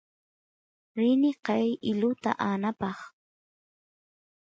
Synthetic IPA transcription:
ɾɪnɪqɑjɪlʊt̪a̰ʔanapɑχ

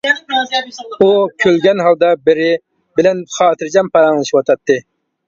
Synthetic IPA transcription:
ukʲʰølɡʲɛnɦɑlˠd̪ɑbɪɾɪ | bɪlɛnχɑːt̪ʰɨɾd͡ʒɑmpɑɾɑŋlˠɨʃiwɑt̪ʰɑt̪ːɨ

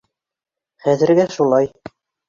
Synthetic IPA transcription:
χæðɘ̆ɾɡæʃulˠɑj

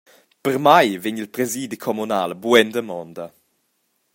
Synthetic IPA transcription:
pəɾmajveɲilpɾɛziːd̪ikʰɔmunaːlbwɛnd̪əmɔnd̪ə

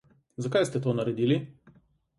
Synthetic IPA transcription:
zakajst̪ɛt̪oːnɐɾɛd̪ili

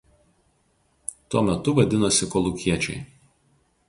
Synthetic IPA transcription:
t̪uɔmʲɛt̪ʊʋɐd̪ʲɪnosʲɪkɔlˠʊkʲiɛt͡ʃʲɛ̰ɪ

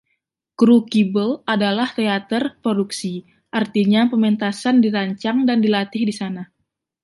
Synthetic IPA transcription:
kɾukibəladalaht̪eat̪ərpɾoduksi | ʔart̪iɲapəmɛnt̪asandiɾaɲt͡ʃaŋdandilat̪ɪhdisana

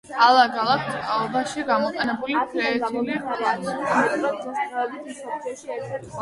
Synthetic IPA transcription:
alˠaɡalˠak̪ʰt̪ʼaɔbaʃiɡamɔqʼɛnɛbulipʰlɛːt̪ʰuliχlaniamt̪ʼʰ

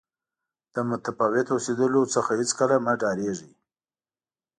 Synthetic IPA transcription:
d̪̥əmʊt̪afɑwɪt̪osed̪əlot͡səxahɪt͡skəlamaɖɑɾeʐi

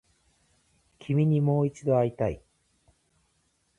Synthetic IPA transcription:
kʲʰimʲiɲ̟imo̞ːit͡ɕid̪o̞aɾʲit̪aḭ

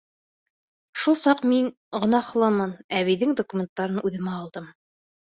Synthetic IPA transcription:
ʃulˠsɑqmin | ʁŏnɑχlˠɤmɤnæβijðɘŋd̪okumʲent̪ːɑɾɤnʉðɘ̆mæɑlˠd̪ɤm

